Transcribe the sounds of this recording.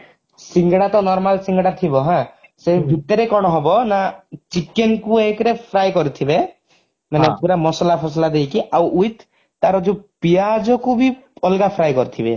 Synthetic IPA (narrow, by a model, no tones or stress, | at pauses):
siŋɡɽat̪ɔnɔɾmalsiŋɡɽat̪ʰibɔɦãsebʱit̪ɔɾekɔɽ̃ɔɦɔbɔnat͡ʃikenkuekɾepʰɾajkɔɾit̪ʰibe | manet̪ʰuɾamɔsɔlapʰɔslad̪ejkiʔawʔujt̪ː | aɾɔd͡ʒupiad͡ʒɔkubʱiɔlɡapʰɾajkɔɾit̪ʰibe